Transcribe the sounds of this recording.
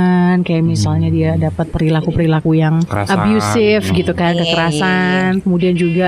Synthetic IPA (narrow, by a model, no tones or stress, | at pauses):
nkajaʔmisalɲadiadapat̪̚pəɾilakupəɾilakujaŋ̰abjusɪfɡit̪ukankəkəɾasankəmudiand͡ʒuɡa